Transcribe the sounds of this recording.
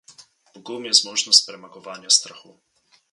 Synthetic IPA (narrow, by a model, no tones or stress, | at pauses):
poɡɔlˠmiɛzmɔʒnost̪̚pɾɛmaɡovaniəst̪ɾaxu